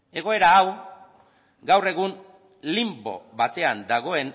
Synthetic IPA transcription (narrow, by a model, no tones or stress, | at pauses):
e̞ɣ̞o̞e̞ɾaːw | ɡawre̞ɣ̞un | limbo̞̰βat̪e̞and̪aɣo̞e̞n